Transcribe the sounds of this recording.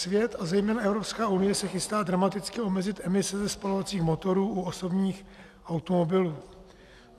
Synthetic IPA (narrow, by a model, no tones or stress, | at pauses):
svjɛt̪azɛjmɛːnaɛvɾo̞pskaːunɪjɛsɛxɪst̪aːdɾamat̪ɪt͡skɪo̞mɛzɪt̪ʔɛmɪsɛzɛspalo̞vat͡siːxmo̞t̪o̞ɾuːʔuoso̞bɲiːx | ʔawt̪omo̞bɪluː